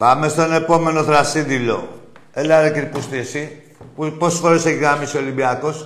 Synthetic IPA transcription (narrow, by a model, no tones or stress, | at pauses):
pɐme̞st̪o̞ne̞po̞me̞no̞θɾɐsid̪ilo̞̰ | elɐɾeciɾpust̪iesi | ppo̞sesfoɾese̞çiɣɾamisio̞limbiɐko̞s